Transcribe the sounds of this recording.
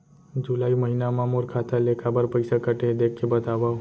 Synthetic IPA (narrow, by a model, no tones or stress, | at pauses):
d͡ʒulaiməɦinamãmoɾkʰat̪ʰalekʰabəɾpəjsakəʈed̪ekʰːebət̪aʋa